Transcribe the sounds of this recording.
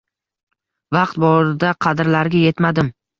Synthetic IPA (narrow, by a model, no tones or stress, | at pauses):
vɑqt̪̚bɒɾɪd̪aqʰɑd̪ɪɾlaɾɡʲaje̞t̪mad̪ɪm